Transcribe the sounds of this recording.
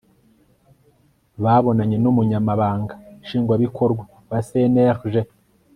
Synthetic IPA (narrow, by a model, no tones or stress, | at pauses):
βaːβo̞naɲe̞numuɲamaβaːŋɡaʃiːŋɡwaβikʰo̞ɾɡwa | βaseneʁʒe